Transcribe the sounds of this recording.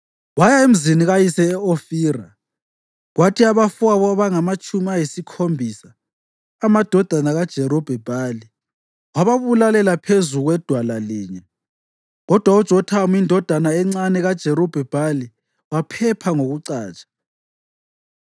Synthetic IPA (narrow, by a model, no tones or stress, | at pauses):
wajaem̩ziniɣajisɛːofiːra | ɣwatʰiaβafuaβɔaβaŋamat͡ʃʼumiajisikʰombʱisaː | mad̥ʱɔd̥ʱanaɣad̥ʒ̥ʱɛɾɔb̥ʱɛb̥ʱaːli | waβaβulalɛlapʰezuɣwɛd̥ʱwalaliːɲɛ | ɣɔd̥ʱwaud̥ʒ̥ʱɔtʰamindʱɔd̥ʱanaɛŋ͡ǀanɛɣad̥ʒ̥ʱɛɾɔb̥ʱɛb̥ʱali | wapʰɛpʰaŋoɣuǀaːt͡ʃʼḁ